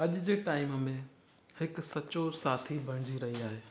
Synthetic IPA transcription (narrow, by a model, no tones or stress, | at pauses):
ɐʄʊd͡ʑeːʈaːɪmmẽ | hɪksɐt͡ɕosaːt̪ʰibʱɐɽ̃d͡ʑiɾɐɦiaːɦeː